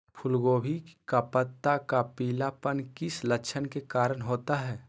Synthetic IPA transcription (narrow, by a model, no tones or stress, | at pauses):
pʰʊlɡoːbʱikapət̪ːakapiːlapənkɪsləkt͡ʃʰənkekaːɾənɦoːt̪aɦɛː